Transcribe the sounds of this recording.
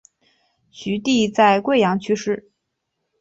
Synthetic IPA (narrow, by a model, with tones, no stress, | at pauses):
ɕy˧˥t̪i˥˧t͡sa˥˧ɪkwe˥˩ɪjɑ˧˥ŋt͡ɕʰy˥ʂɻ̩˥˩